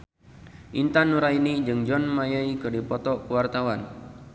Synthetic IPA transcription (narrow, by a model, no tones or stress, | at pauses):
ʔint̪anuɾainid͡ʒɨŋd͡ʒɔnmajaikɨrdipɔt̪ɔkəwart̪awan